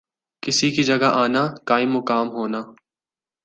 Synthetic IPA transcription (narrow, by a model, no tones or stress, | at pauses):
kɪsikid͡ʒɐɡaʔaːnaːkaːɪ̃mʊkaːmɦoːnaː